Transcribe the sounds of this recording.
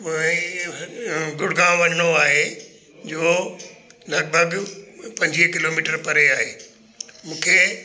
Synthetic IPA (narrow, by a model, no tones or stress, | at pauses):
ɡʊɽɡãːʋɐɲəɽ̃oaːɦe | d͡ʑoː | lɐɡ̚bʱəɡpɐ̃ɲd͡ʑikɪlomiːʈəɾpɐɾeaːɦeː | mũːkʰeː